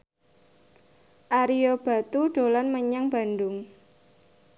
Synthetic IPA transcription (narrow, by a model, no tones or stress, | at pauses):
ʔaɾiob̥a̤t̪uɖ̥o̤lanməɲaŋb̥a̤nd̪ʊŋ